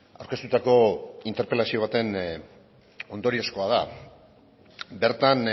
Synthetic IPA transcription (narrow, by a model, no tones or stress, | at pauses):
a̰wɾke̞st̪ut̪ako̞int̪e̞ɾpe̞lasio̞β̞at̪e̞n | o̞nd̪o̞ɾio̞sko̞að̞a | be̞ɾt̪an